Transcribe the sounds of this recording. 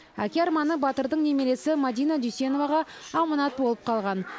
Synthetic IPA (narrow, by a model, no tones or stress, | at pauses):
ækʲeɑɾmɑnəbɑt̪əɾd̪əɴne̞me̞le̞sɪmad̪ijnad̪ysʲe̞no̞vɑʁɑːmɑnɑt̪̚bo̞lˠəp̚qʰɑlˠʁɑn